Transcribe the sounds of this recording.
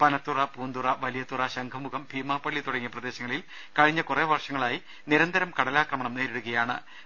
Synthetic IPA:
pɐnɐt̪ːurɐpuːnd̪urɐʋɐlijɐt̪ːurɐɕɐŋɡʰɐmuɣɐmbʱiːmaːpːɐɭːit̪uɽɐŋːijɐprɐd̪e̞ːɕɐŋːɐɭil | kɐɻiɲːɐkureːʋɐrʂɐŋːɐɭaːji | niɾɐnd̪ʱɐɾɐmkɐɽɐlaːkrɐmɐɳɐmneːɾeɽuɣɐjaːɳɨ̰

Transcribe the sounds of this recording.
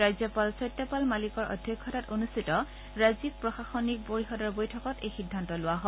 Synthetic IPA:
ɹajzjɔpalsɔjtːɔpalmalikɔɹʔɔ̰dʱjɔkʰːɔtatonustʰitɔ | ɹazik̚pɹɔxaxɔnik̚boɹixɔdɔɹbojtʰɔkɔtejxidʱːantɔlʊwaɦɔ

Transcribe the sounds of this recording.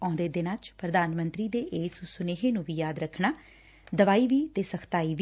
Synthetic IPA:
ɔ̃ːnd̪eːd̪ɪnãːt͡ʃpɾəd̪aːnmənt̪ɾiːd̪eːʔeːsusʊneːɦeːnũːʋiːjaːd̪ɾəkʰnaː | d̪əʋaːiːʋiːt̪eːsəkʰt̪aːiːʋ

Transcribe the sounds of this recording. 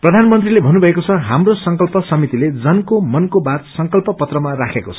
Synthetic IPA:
prʌd̪ʱanmʌnt̪rilebʱʌnubʱʌekot͡sʰʌɦamrosʌŋkʌlpʌsʌmit̪iled͡zʌnkomʌnkobat̪sʌŋkʌlpʌpʌt̪rʌmarakʰekot͡sʰʌ̥

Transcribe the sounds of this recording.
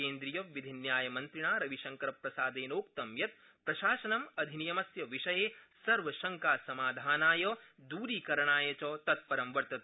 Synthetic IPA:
eːnd̪ɾijɐːʋid̪ʱinjaːjɐmɐnt̪ɾiɳaːɾɐʋiʃɐŋkɐɾɐpɾɐsaːd̪eːnoːkt̪ɐmjɐt̪̚ | pɾɐʃaːʃɐnɐmɐd̪ʱinijɐmɐsjɐʋiʃɐjeːsɐɾʋɐʃɐŋkaːsɐmaːd̪ʱaːnaːjɔːd̪uːɾiːkɐɾɐɳaːjɐt͡ʃɔːt̪ɐt̪̚pɐɾɐmʋɐɾt̪ɐt̪ː

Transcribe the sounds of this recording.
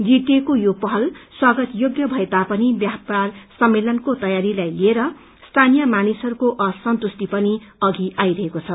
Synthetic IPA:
ɡiʈ̪ekojopʌɦʌlswʌɡʌt̪joɡjʌbʱʌet̪apʌnibjaparsʌmːelʌnkot̪ʌjaɾilajlieɾʌ | st̪ʰanijʌmanisʌɾukoʔʌsʌnt̪usʈ̪ipʌniʌɡiʔajɾʌɦekot͡sʰʌ

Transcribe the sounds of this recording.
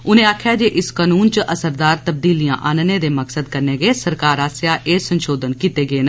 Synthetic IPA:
ʊnẽːaːkʰjaːd͡ʒeːʔɪskaːnuːnt͡ʃəʔəsəɾd̪aːɾt̪əb̚d̪iːlijã̰ːʔaːnəneːd̪eːməksəd̪kəɾneːɡeːsəɾkaːɾaːsjaːʔeːsənʃoːd̪ənkiːt̪eːɡeːnː

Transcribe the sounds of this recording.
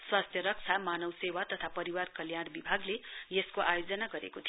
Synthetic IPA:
swast̪ʰjʌɾʌk̚t͡sʰamanʌwsewat̪ʌt̪ʰapʌɾiwarkʌljanbibʱaɡlejeskoʔajod͡zʌnaɡʌɾḛkot̪ʰi

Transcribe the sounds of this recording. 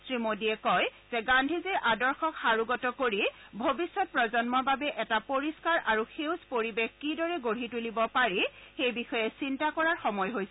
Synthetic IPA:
sɹimodiɛkɔjz̥ɛɡandʱizɛɹʔadɔɹxɔkxaɹuɡɔtɔkoɹibʱobisːɔt̚pɹɔzɔnmɔɹbabɛʔɛtapoɹiskaɹʔaɹuxewspoɹibexkidɔɹɛɡoɹ̤itulibɔpaɹixejbixɔjɛsintakɔɹaɹxɔmɔjɦojsɛ

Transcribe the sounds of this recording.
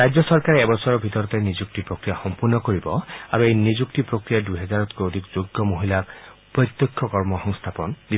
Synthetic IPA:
ɾajd͡ʒjɔsɔɹkaɾɛːbɔsɔɹɔbʱit̪ɔɾɔt̪enizuk̚tipɹokɹijaxɔmpuɹnɔkoɹibɔa̰ɾuejnizuktipɹokɹijaduɦɛzaɹɔt̪kood̪ʱikzoɡɔmoɦilak | pɹɔt̪ːjɔkʰːɔkɔɹmɔxɔŋst̪ʰapɔnd̪i

